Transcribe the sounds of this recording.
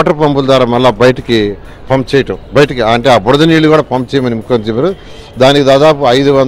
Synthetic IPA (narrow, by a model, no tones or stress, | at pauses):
ʈɐpɐmpuld̪ʋaːɾaːmɐlːaːbɐjɐʈɐki | pɐmpt͡ʃɛːjɐʈɐmbɐjɐʈɐkiɳʈeːaːbɔɽɐd̪ɐniːluɡuːɽaːpɐmpt͡ʃɛːjɐmɐnimukʰːɐnt͡ʃibɐɾu | d̪aːnikid̪aːd̪aːpuɐjd̪uʋɐn